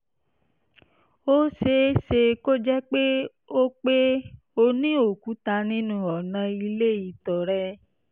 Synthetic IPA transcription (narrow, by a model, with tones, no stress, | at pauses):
o˦se˧˦se˧ko˦d͡ʒɛ˦k͡pe˦ | o˦k͡pe˦ | o˧nĩ˦o˦˨ku˨˦ta˧nĩ˦nũ˦ɔ˨nã˧i˧le˦˨i˨tɔ˨ɾɛ˦